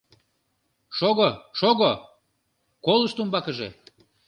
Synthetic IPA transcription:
ʃoɣoʃoɣo | koləʃt̪umbɑkəʒḛ

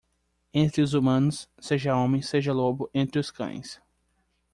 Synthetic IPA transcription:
ẽnt̪ɾɪʊzumɐ̃nʊsːeʒɐõmẽj̃seʒɐlobʊʔẽnt̪ɾɪʊskɐ̰̃j̃s

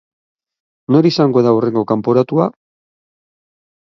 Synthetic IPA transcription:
no̞ɾisaŋɡo̞ðaure̞ŋɡo̞kampo̞ɾat̪ua

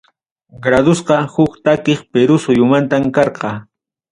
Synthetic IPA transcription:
ɡɾad̪ʊsqɑhʊkt̪akeχpeɾʊsʊjʊmant̪amkɑɾqɑ

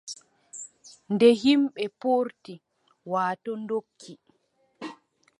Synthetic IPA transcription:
ndɛhimɓɛpoːɾti | waːtɔndokʰːi

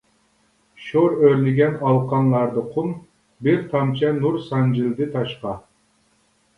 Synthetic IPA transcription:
ʃoɾøɾlɪɡʲɛnɑlˠqʰɑnlˠɑɾd̪ɨqʰun | biɾt̪ʰɑmt͡ʃʰɛnuɾsɑnd͡ʒɪld̪ɪt̪ʰɑʃqɑ

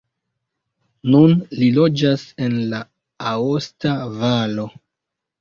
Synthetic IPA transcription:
nunlilo̞d͡ʒase̞nla | aostavalo̞

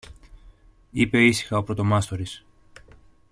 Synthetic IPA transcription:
ipe̞isi̥xɐo̞pɾo̞t̪o̞mɐst̪o̞ɾis

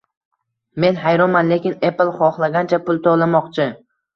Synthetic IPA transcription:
me̞nɦajɾɒnmanle̞kʲɪneplˠχɒχlˠaɡʲant͡ʃʰapʰʊlˠt̪ʰɒlˠamɒqt͡ʃʰɪ

